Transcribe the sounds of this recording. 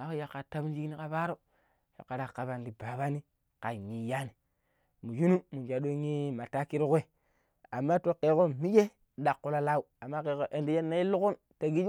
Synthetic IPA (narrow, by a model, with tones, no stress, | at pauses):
a˨ko˦ja˨kːa˨ta˦bu˦nd͡ʒi˦ɡni˦ka˨ba˦ɾo˦ | ja̰˨kːa˨ɾa˨ka˨βa˨n˨di˨ba˨ba˦ni˦ | ka˨ɲi˨ja˦ni˨ | mu˨d͡ʒu˦nu˦mu˨n˨d͡ʒa˨ɗo˦ɲi˦ma˨ta˦ki˦ɾu˦kʷe˦˨ | a˨mːa˦to˦ke˦ko˦mi˦d͡ʒe˦ | ɗa˨kːu˦la˨la˦u˦˨a˨mːa˦ke˨ko˦ʔe˨˦ndi˦je˦nːa˦i˦lu˦ku˦n | ta˨ɡi˦d͡ʒ